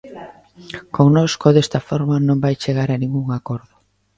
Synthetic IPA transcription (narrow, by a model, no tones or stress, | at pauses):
koŋnɔskoðest̪ɐfɔɾmɐnõmbajt͡ʃeɣaɾanĩŋɡuŋakoɾðʊ